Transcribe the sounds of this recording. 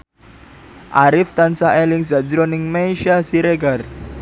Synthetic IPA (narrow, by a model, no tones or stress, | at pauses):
ʔaɾɪft̪ansaʔelɪŋzad͡ʒɾonɪŋmejʃasiɾeɡar